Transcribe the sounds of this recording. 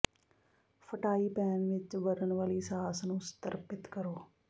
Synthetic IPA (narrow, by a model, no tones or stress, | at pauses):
fʰəʈaːiːpɛːnʋɪt͡ʃʋəɾənʋaːliːsaaːsnũːst̪əɾpɪt̪kəɾoː